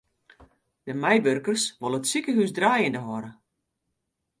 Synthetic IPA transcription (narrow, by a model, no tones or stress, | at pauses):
d̥əmɛjʋørkərsʋolˠəətsikəɦysdraːjəndəɦɔɾə